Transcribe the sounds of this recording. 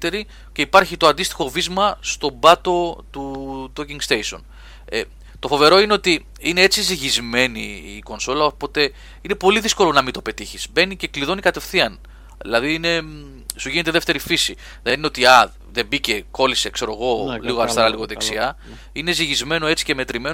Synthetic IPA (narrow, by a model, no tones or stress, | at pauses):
t̪eɾi | ce̞ipɐɾçit̪oɐnd̪ist̪i̥xo̞vizmɐst̪o̞bɐt̪o̞t̪ut̪ociŋɡst̪ejso̞̰n | e | t̪o̞fo̞ve̞ɾo̞ineo̞t̪i | ine̞et͡siziʝizme̞niːko̞nso̞lɐopo̞t̪e̞ | ine̞po̞liðisko̞lo̞nɐmit̪o̞pe̞t̪içiz̥be̞nice̞kliðo̞nikɐt̪e̞fθiɐn | ðḭlɐðiine | suʝine̞t̪eðeft̪e̞ɾifisi | ðenineo̞t̪iɐ | ðe̞bice̞ko̞lise̞kse̞ɾo̞ɣo̞liɣoɐɾist̪ɐɾɐliɣo̞ðeksiɐ | ine̞ziʝizme̞no̞e̞t͡si̥ce̞me̞t̪ɾime̞n